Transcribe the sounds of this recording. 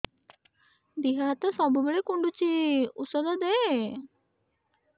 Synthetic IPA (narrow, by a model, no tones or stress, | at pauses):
d̪iɦat̪ɔsɔbubeɭekuɳɖut͡ɕiusɔd̪ɔd̪e